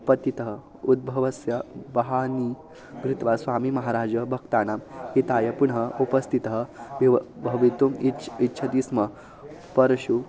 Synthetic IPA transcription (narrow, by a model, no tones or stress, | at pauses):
pɐt̪it̪əɦə | ud̪̚bʱɐʋɐsjɐbɐɦani | mɾit̪ʋasʋaːmiːmɐɦaɾaːd͡ʒɐbʱɐkt̪aːnamɦit̪ajɐpuɳɦəupɐst̪ʰit̪əɦəbibʱɐʋit̪umiitːɕʰɐd̪ismɐ | pɐɾɐɕu